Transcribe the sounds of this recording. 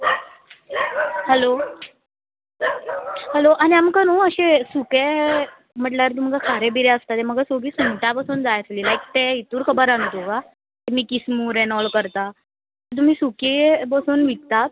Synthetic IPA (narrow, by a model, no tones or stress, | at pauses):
hɛlo | hɛloʔaniamkəɾuːəɕẽsuke | m̤əʈljaɾt̪um̤kakʰaɾebiɾeəst̪at̪eməɡəsoɡiːsuɳʈ̪apasuːnd͡zajəsliːlajk̚t̪eit̪uːɾkʰəbəɾãnt̪oka | t̪emiːkismuːɾɛnɔɭkəɾt̪a | t̪əɾt̪̬um̤iːsukepəsuːnʋit̪t̪at̪